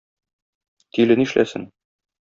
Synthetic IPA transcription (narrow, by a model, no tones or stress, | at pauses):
t̪ilɘniʃlæ̰sɘ̰n